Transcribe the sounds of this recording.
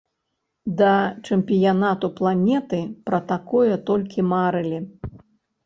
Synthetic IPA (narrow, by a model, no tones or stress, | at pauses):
d̪ɐt͡ʂɐmʲpʲijanat̪uplˠanʲɛt̪ɨpɾɐt̪akɔjɐt̪ɔlʲkʲimaɾɨlʲi